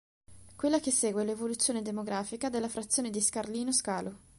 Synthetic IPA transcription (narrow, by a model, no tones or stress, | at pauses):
kwelːakesːeːɡwelevolut̪sːjoːned̪emoɡɾaːfikad̪elːafɾat̪sːjoːned̪iskarliːnoskaːlo